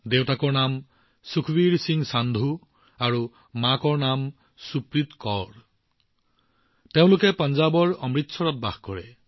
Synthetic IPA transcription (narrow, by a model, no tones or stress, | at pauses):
d̪ewtakɔnam | sukʰbiɾsiŋsand̪ʱu | aɾu | makɔɾnam | supɾit̪kɔɾ | t̪eʊ̃lokepɔnd͡ʒabɔɹɔmɹit̪ːsʰɔɾɔt̪̚baɦkɔɾe